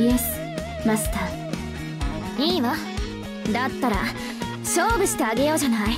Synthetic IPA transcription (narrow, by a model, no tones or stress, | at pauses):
jes | mast̪a | iːma | d̪at̪ːaɾa̰ | sobisɨ̥t̪eaɡejod͡ʑanae